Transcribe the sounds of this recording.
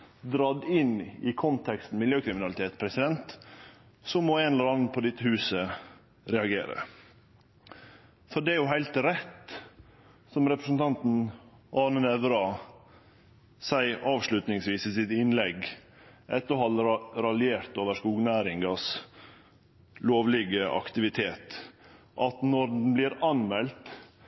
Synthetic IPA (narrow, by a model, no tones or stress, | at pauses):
d̪ɾɑd̪ɪnɪkʰɔnt̪ʰɛkst̪n̩mɪljøːkʰɾɪmɪnɑlɪt̪eːt̪pʰɾɛsɪd̪ɛnt̪ | sɔmoːeːnɛləɾɑnənpʰɔd̪ɪt̪ʰːəhʉːsə | ɾɛɑɡḛːɾə̰ | fɔɖɛæɾjʊɦæɪlt̪ɾɛt̪ | sɔmɾɛpɾəsn̩t̪ʰɑnt̪n̩ʔɑːnənɛʋɾɑ | sæɪʔɑːʋʂlʉt̪nɪŋsʋiːsisɪt̪ɪnlɛɡ | ʔɛt̪ːɔhɑlːɾɑlɪeːɾt̪oːʋəʂkuːɡnæːɾɪŋɡɑs | loːʋlɪɡəʔɑ̰kt̪ɪʋɪt̪ʰeːt̪ | ʔɑt̪nɔɾd̪n̩blɪɾɑnmɛlt̪